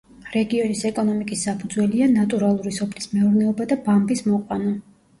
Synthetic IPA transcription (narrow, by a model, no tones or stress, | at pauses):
ɾɛɡiɔnisɛkʼɔnɔmikʼisːapʰud̪zwɛlianat̪ʼuɾalˠuɾisɔpʰlismɛuɾnɛɔbad̪abambismɔqʼwanɔ